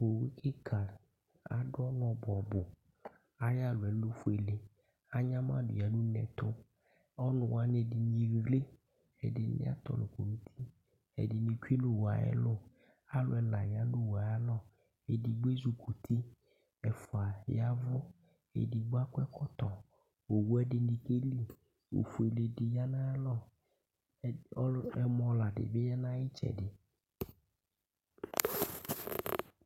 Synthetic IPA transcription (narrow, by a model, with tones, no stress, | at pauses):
o˨wi˦kʰɪ˦kʰa˨l | a̰˨ɖʊ˦ɔ˦nɔ̃˨bʊ˨a˨bʊ˨ | a˨ja˦lʊ˨ɛ˨lʊ˦fu˦e˨le˨ | a˦ɲã˦mã˦dʊ̰˨ja˨nũ˦nɛ̃˨t̪ʊ˦ | ɔ˦nʊ̃˨wa˦ne˨di˨ɲĩ˨ɣle˦ | ɛ̰˨dɪ˨nɪ̰˦a̰˦t̪ɔ̰˨nʊ˨ko˨mũ˦t̪ʰi˦ | ɛ̰˨dɪ˨nɪ̃˨ku˦i˦lʊ˦wa̰˨ɛ̰˦lʊ˦ | a˦lʊ̰˨ɛ˦la˨ja˦lʊ˦wa˨ja˦lɔ˦ | e˨di˨ɡ͡be˦zu˨kʰu˨t̪ʰi˦ | ɛ˨fʊ˨a˨ja˦vʊ˦ | ḛ˨di˨ɡ͡ba˦kʷɛ˦kɔ˦t̪ɔ˨ | o˨wu˦ɛ˦dɪ˨nɪ˨ke˦li˦˨ | o̰˨fu˨e˨le˨dɪ˨ja˦nã˦lɔ˦˨˦ | ɛ˦mɔ̃˨˦la˨dɪ̰˨bɪ˦ja˦nã˦jɪ˦t͡ʃɛ̰˨dɪ˨